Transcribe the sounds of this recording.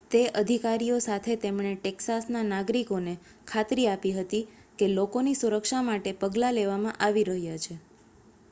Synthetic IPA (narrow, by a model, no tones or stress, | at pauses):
t̪eʔəd̪ʱikaɾijosat̪ʰet̪emɳ̃eʈeksasnanaɡɾikone | kʰat̪ɾiapiɦət̪i | kelokonisuɾəkʃamaʈepəɡlaleʋamãʔaʋiɾəɦjat͡ʃʰe